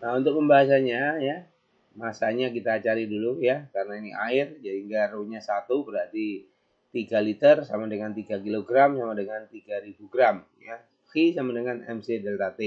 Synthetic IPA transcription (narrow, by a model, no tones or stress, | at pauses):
naunt̪ʊk̚məmbaɦas̬aɲaja | masaɲakit̪aːt͡ʃalidulujakarənainiʔa̰ɪrd͡ʒaɦiŋɡaɾoɲasat̪ubəɾɦart̪i | t̪iɡalit̪ərsamadəŋant̪iɡakiloɡɾamsamadəŋant̪iɡaɾibuɡɾam | ja | hisamadəŋanɛ̰msedɛlt̪at̪e